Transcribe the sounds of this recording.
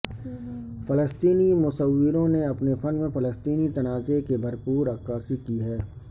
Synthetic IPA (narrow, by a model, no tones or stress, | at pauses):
fɐləst̪iːnimʊsəwːɪɾõneɐpnefɐnmẽfɐləst̪iːnit̪ɐnaːzekebɐɾpuːɾɐkːaːsikiɦɛː